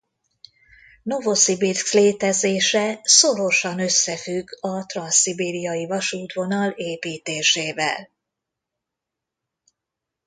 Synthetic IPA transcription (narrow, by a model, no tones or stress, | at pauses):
no̞vo̞sibirksleːt̪ɛzeːʃɛso̞ɾo̞ʃɒnøsːɛfyɡɒt̪rɒnsibiːɾijɒjivɒʃuːt̪ʋo̞nɒleːpiːt̪eːʃeːvɛ̰l